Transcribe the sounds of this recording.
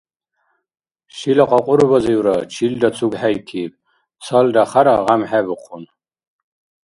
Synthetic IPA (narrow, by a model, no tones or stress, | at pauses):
ʃilɐqʷʼaqʷʼʊɾɨbɐzɐjwɾɐt͡ʃʰildat͡sʰuɡħajkʰiːp̚ʼ | t͡sʰɐldaχaɾaʁamħabɨqʷʰʊn